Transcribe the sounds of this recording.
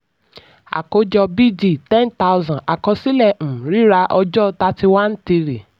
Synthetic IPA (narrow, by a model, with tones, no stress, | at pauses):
a̰˨ko˨˦d͡ʒɔ˧bi˦d͡ʒi˦˨tɛ̃˦nta˧˦wzã˨a˨kɔ̃˧si˦lɛ̃˦˨ɾi˨˦ɾa˧ʔɔ˧d͡ʒɔ˦ta˧˦ti˧wa˦n̩˦ti˧ɾi˨